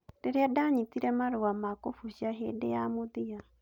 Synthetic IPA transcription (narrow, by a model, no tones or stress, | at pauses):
deɾeadaɲitiɾɛmaɾowamakofuʃaɦḛdejamoðija